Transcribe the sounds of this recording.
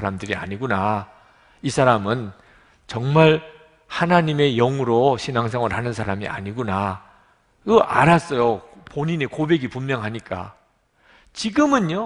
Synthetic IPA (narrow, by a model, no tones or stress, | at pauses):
aɾamdɯɾia̰ɲiɡuna | isʰaɾamɯn | t͡ɕʌŋmaɭ | hanaɲime̞jʌŋuɾoɕʰinaŋs̬ʰʌŋɯɭhanɯnsʰaɾamḭʔa̰ɲiɡuna | kɯʔaɾas͈ʌjo | poɲine̞kobe̞ɡipumːjʌŋɦaɲik͈a̰ | t͡ɕiɡɯmɯnjo